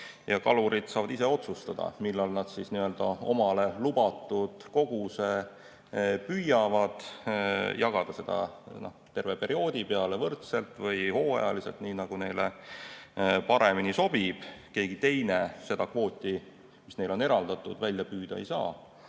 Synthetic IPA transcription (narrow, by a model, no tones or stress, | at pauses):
jɑkɑluɾid̪̥sɑːvɑd̪ise̞o̞t̪sust̪ɑd̪̥ɑ̰milːɑlnɑd̪̥sisniø̞ld̪̥ɑo̞̰mɑle̞lubɑt̪ːˑud̪̥ko̞ɡ̥use̞ | pyjɑvɑd̪̥ | jɑɡ̥ɑd̪̥ɑse̞d̪ɑ̰no̰ht̪e̞rve̞pe̞ɾio̞ːd̪̥ʲipe̞ɑlevɤrt̪selt̪ˑvɤjho̞ːɑ̰jɑlise̞lt̪niːnɑɡ̥une̞jle | pɑɾe̞miniso̞b̥ib̥ke̞ːɡ̥it̪e̞jne̞se̞d̪̥ɑkvo̞ːt̪ʲːˑi | misne̞jlo̞neɾɑld̪̥ɑt̪ːˑud̪vælʲjɑpyːd̪̥ɑejsɑ̰ː